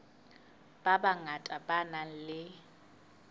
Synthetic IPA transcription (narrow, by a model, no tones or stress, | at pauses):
b̥abaŋatʼabanan̩lɪ